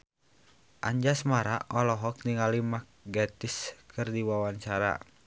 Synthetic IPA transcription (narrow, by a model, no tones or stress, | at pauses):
ʔa̰ɲd͡ʒasmaɾaɔlɔɦɔk̚niŋalimak̚ɡɛt̪iskɨrdiwawaɲt͡ʃaɾa̰